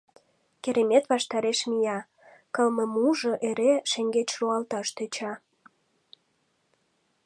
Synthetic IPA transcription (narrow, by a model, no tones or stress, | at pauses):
keɾemet̪βɑʃt̪ɑɾeʃmijɑ | kə̆lməmuʒɤ̆ʔeɾeʃeŋɡet͡ɕʃuɑlt̪ɑʃt̪et͡ɕɑ